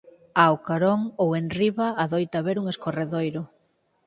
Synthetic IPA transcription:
awkaɾoŋowenriβaːðojt̪aβeɾuŋeskoreðojɾʊ

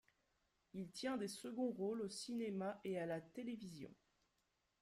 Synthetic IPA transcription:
ilt̪jɛ̃d̪esəɡɔ̃ʁolosinemaʔealat̪elevizjɔ̰̃

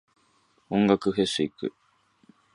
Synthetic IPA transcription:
oŋɡakɯɦesɨikɯ̰

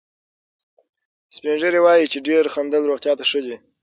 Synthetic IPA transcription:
spenʒəɾewɑjit͡ʃeɖeɾxand̪əlɾoɣt̪jɑt̪aʂəd̪i

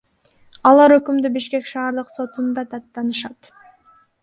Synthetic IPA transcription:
ɑlˠɑɾøkymd̪ybiʃke̞kʃɑːɾd̪ɯqso̞t̪und̪ɑt̪ɑt̪ːɑnɯʃɑt̪

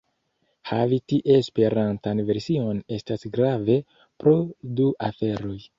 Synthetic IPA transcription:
havitiʔe̞spe̞ɾantanve̞ɾsio̞ne̞stasɡɾave̞ | pɾo̞duʔafe̞ɾo̞j

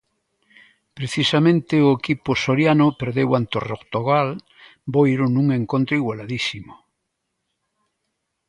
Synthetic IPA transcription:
pɾeθisamẽnt̪eoekipʊsoɾjanʊpeɾðewant̪orokt̪oɣal | bojɾʊnũŋeŋkont̪ɾoiɣwalaðisimo

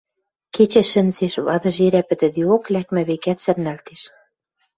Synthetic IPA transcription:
ket͡ɕĕʃə̆nseʃβɑ̰ðɤ̆ʒeɾæpɘ̆t̪ɘ̆d̪ioklækmæ̆βekæt̪sɘ̆rnælt̪eʃ

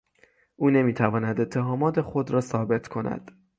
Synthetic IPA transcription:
ʔuːne̞miːt̪ʰævɒːnæd̪e̞t̪ʰːe̞ɦɒːmɒːt̪ʰe̞xo̞d̪ɾɒːsɒːbe̞t̪ʰkʰo̞næ̰d̪̥

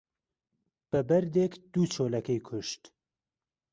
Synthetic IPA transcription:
b̥əbɐɾd̪ekd̪ut͡ʃʰoːlɐkɛjkʰʊʃt̪

